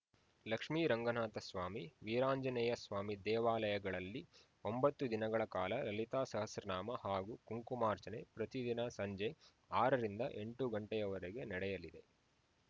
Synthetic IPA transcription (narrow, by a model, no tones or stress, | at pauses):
lɐkʂmiːɾɐŋɡɐnaːt̪ɐsʋaːmiʋiːɾaːɲd͡ʒɐnɛjɐsʋaːmid̪ɛːʋaːlɐjɐɡɐɭɐlːi | o̞mbɐt̪ːud̪inɐɡɐɭɐkaːlɐɾɐlit̪aːsɐɦɐsɾɐnaːmɐhaːɡuːkuŋkumaːɾt͡ʃɐnepɾɐt̪id̪inɐsɐɲd͡ʒe | aːɾɐɾind̪ɐʔe̞ɳʈuɡɐɳʈɛjɐʋɐɾeɡe̞nɐɽɛjɐlid̪e̞